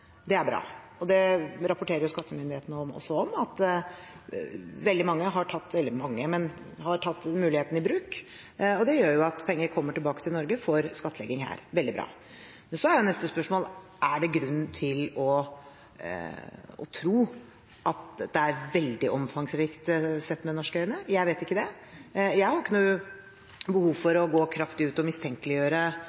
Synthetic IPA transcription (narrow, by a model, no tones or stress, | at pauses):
d̪ɛæɾbɾɑ̰ː | ɔd̪ɛɾɑpʊʈʰeːɾəjʊskɑt̪ʰːəmʏnd̪ɪheːt̪ənəɔmɔ̰sːɔɔmɑt̪ː | ʋɛld̪ɪmɑŋːəɦɑʈʰɑt̪ːʋɛld̪ɪmɑŋːəmɛn | hɑʈʰɑt̪ːmʉːlɪheːt̪n̩ɪbɾʉːk | ɔd̪ɛjøːjʊɑt̪pʰɛŋːəɾkʰɔmːəʈɪlbɑːkət̪ʰɪlnɔɾɡəfɔɾskɑt̪ʰːəlɛɡːɪŋɦæ̰ːɾʋɛld̪ɪbɾɑ̰ː | mɛnsɔhæɾjænɛst̪əspœʂmoːlʔæɖɛɡɾʉnːt̪ʰɪlɔ | ɔ̰t̪ʰɾuː | ʔɑt̪d̪ɛæɾʋɛld̪ɪʔɔmfɑŋsɾiːkt̪sɛt̪ːmɛd̪ɛnɔʂkəœʏənəjæɪʋeːt̪ɪkːəd̪ɛ | jæɪhɑɾɪkːənuː | bəhuːʋfɔɾɔɡoːkʰɾɑft̪ɪʉːt̪ɔmɪst̪ʰɛŋkəlɪjøːɾə